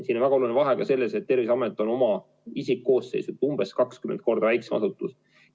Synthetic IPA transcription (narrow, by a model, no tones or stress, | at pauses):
siːnonvæɡ̥ɑolunvɑɦe̞kɑse̞lːeset̪̚ːe̞rvisɑmet̪ːˑo̞no̞mɑ | isikːo̞ːsːe̞jsut̪ːˑu̥umb̥e̞skɑkskyment̪̚ko̞rd̪ɑvæjksmɑ̰sut̪ːˑus